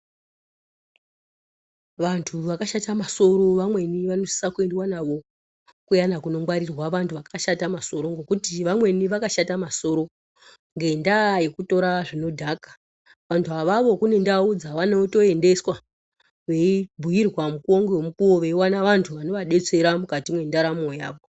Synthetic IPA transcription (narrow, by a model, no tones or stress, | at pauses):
ʋantʰuʋakaʃatamaso̞ɾo̞ʋamwe̞niʋano̞si̥sakue̞ndwanaʋo̞ | kujanakuno̞ŋɡwaɾirwaʋantʰuʋakaʃatamaso̞ɾo̞ŋɡe̞kutiʋamwe̞niʋakaʃatamaso̞ɾo̞ | ŋɡe̞ndaje̞kuto̞ɾaʐino̞dʱaːkḁ | ʋantʰuɦaʋaʋo̞kune̞ndaud͡zaʋanoto̞e̞nde̞swa | ʋe̞ibʱujirwamuko̞ŋɡewemukuwo̞ʋe̞iwanaʋantʰuʋano̞ʋaɗe̞t͡se̞ɾamukatimwe̞ndaɾamojaːʋo